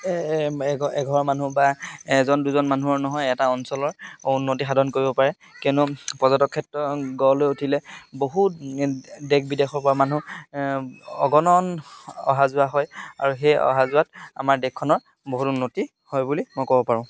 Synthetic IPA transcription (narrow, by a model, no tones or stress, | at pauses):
ɡɔɛɡʱɔɹman̤ubaɛzɔnduzɔnmanuɔɹnɔɦɔjɛtaɔnsɔlɔɹunːotixadʱɔnkoɹibɔpaɹɛ | kiʊnʊpɔzɔtɔkʰːɛtɹɔɡɔlojutʰilɛboɦu | dɛk̚bidexɔɹpɔamanu | ɔ̰ɡɔnɔnɔ̰ɦazʊaɦɔja̰ɹuxejɔ̰ɦazʊat̚a̰maɹdɛkʰːɔnɔɹ | boɦutunːoti | hɔjbulimɔjkɔbɔpaɹʊ̃